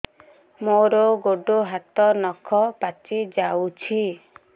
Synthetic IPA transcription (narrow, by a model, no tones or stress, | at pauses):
moɾɔɡoɖoɦat̪ɔnɔkʰɔpat͡ʃid͡ʒawt͡ʃʰi